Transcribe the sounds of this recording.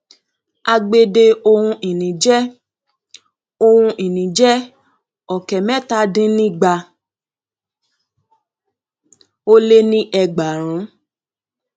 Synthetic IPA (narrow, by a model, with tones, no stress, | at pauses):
a˧ɡ͡be˧de˧o˧hũ˧i˨nĩ˨d͡ʒɛ˦ | o˧hũ˧ʔi˨nĩ˨d͡ʒɛ˦ | ɔ˨kɛ˨mɛ̃˦˨ta˦dĩ˦nĩ˦ɡ͡ba˧ | o˦le˦nĩ˦ʔɛ˧ɡ͡ba˨ɾ̃ũ˨˦